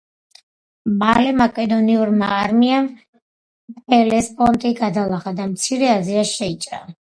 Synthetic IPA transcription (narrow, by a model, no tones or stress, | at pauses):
malɛmakʼɛd̪ɔniuɾma̰ːɾmiam | bɛlɛspʼɔnt̪ʼiɡad̪alˠaχad̪amt̪sʰiɾɛaziaʃɛit͡ʃʼɾa̰